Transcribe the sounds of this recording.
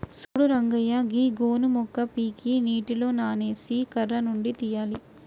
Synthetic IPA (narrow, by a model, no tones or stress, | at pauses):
suːɽuɾɐŋɡɐjɐɡiɡoːnumɔkːɐpiːkiniːʈilo̞ːnaːneːsikɐrːɐnuɳɖit̪ijaːli